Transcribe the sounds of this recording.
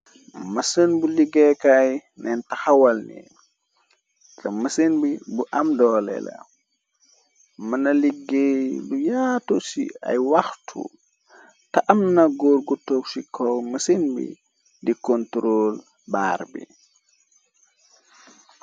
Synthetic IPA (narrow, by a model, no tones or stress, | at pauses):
mɐsənbuliɡɛkajnɛntɐxɐwɐlnḭ | tɐmɐsənbibuʔɐmdɔːlɛ̰lɐ̰ | mɐnɐliɡelujatusḭɐ̰jwɐxtʰṵ | tɐʔɐmnɐɡoːɾɡutoksikʰɔlmɐsənbḭ | dikɔntɾoːl | ba̰ːrbḭ